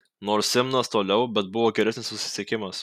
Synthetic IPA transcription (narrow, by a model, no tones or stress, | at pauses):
noːɾsʲɪmnɐst̪oːlʲɛʊbʲɛt̪̚bʊʋoːɡʲɛɾʲɛsnʲɪssʊsʲɪ̥sʲɛkʲɪmɐs